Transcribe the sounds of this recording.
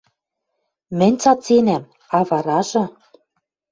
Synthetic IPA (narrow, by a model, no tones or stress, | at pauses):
mɘ̆nʲt͡sɑt͡senæm | ɑβɑɾɑʒɤ̆